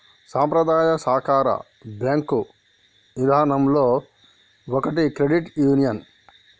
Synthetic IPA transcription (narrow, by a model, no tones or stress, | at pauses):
saːmpɾɐd̪aːjɐsaːkaːɾɐ̰ | bjaːŋku | nid̪ʱaːnɐmloː | ɔkɐʈikɾeɖiʈjuːnijɐn